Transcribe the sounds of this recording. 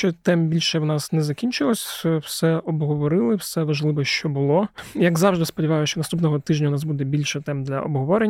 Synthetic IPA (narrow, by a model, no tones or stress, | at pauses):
t͡ʃɔt̪ɛmbʲilʲʃɛwnɑsnɛzɐkʲinʲt͡ʃɪlˠɔsʲwsɛɔbɦɔʋɔɾɪlˠɪwsɛʋɐʒlˠɪʋɐʃt͡ʃɔbʊlˠɔjɐɡzɑwʒd̪ɪspɔdʲiʋɑjʊsʲt͡ʃɔnɐst̪upnɔɦɔt̪ɪʒnʲɐnɑsbud̪ɛbʲilʲʃɛt̪ɛmd̪lʲɐ̰ʔɔ̰bɦɔʋɔɾe